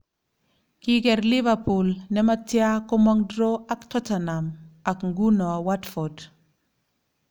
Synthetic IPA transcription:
ki˦kɛ˨ɾli˦va˨pu˨lnɛma˦tja˦kɔ˦mɔŋdɾo˦a˦ktɔ˦tanama˨kŋɡu˦nɔ˨watfɔ˨d

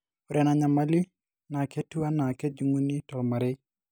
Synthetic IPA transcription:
ʊ˨ɾɛ˨na˨ɲa˨ma˦li˦ | na˨kɛ˦tu˦a˦na˨kɛ˦d͡ʒu˨ŋu˦ni˦tɔ˨lma˨ɾɛ˦

